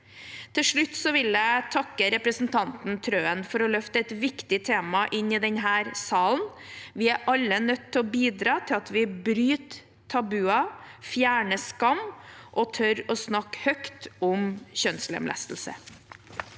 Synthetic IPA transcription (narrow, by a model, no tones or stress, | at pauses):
t̪ʰɪlʂɭʉt̪ːsɔʋɪljæɪt̪ʰɑkːəɾɛpɾəsn̩t̪ʰɑnt̪n̩t̪ʰɾøːənfɔɾɔlœft̪əɛt̪ʋɪkt̪ɪt̪ʰeːmɑʔɪnɪd̪ɛɲɦæːɾsɑːln | ʋɪæʔɑlːənœt̪ʰːɛɔbiːd̪ɾɑːt̪ʰɪlɑt̪ʋɪbɾyːt̪ʰː | ɑbʉːɑfjæːɳəskɑmʔɔt̪ʰœɾɔsnɑkːhœkt̪ʊmɕœnslɛ̰mlæ̰st̪l̩sə̰